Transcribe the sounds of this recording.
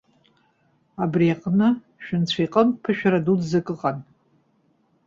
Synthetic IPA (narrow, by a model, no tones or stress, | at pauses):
abriaqʼnɨ | ʃᶣʊnt͡ɕʷʰajqʼəmpʰɨʃᶣaɾadudzakʼɨqʼan